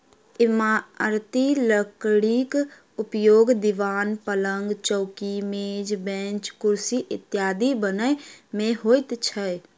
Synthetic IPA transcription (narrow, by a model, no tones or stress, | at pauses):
ɪmaɾt̪iləkɽik | ʊpjoːɡd̪ɪʋaːnpələŋɡt͡ʃɔʊkimed͡ʒbẽːt͡ʃkʊɾsiʔɪt̪jaːd̪ibənəmẽɦoːɪt̪t͡ʃʰə